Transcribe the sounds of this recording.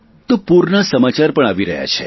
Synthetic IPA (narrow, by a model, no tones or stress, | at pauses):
t̪opuɾnasəmat͡ʃaɾpəɳaʋiɾəɦja̰t͡ʃʰe